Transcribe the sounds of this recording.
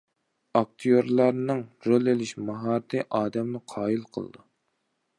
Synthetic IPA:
ɑk̚t̪ʰijoɾlˠɑɾnɨŋɾolˠelɪʃmɑɦɑːɾt̪ʰɨʔɑːd̪ɛmluqʰɑːjilˠqʰə̰lˠɨ̰d̪u

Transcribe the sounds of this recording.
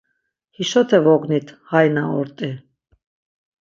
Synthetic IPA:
hiʃɔt̪ʰɛvɔɡnit̪ʰʁajnaɔɾt̪ʼi

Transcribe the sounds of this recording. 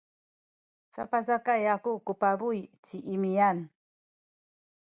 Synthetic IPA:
sa̰pazakajakukupabujtiʔimijan

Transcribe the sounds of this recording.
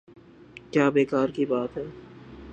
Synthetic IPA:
kjaːbeːkaːɾkibaːt̪ɦɛː

